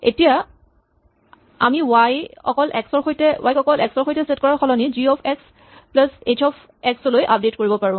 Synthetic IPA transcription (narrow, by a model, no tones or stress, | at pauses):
ḛtija | amiwajɔ̰kɔlʔɛksɔɹxojtɛwʔajkɔkɔlʔɛksɔɹxojtɛset̚kɔɹaxɔlɔniziɔpʰɛks | plasetʰɔpʰ | ɛksɔlojʔap̚detkoɹibɔpaɹʊ̃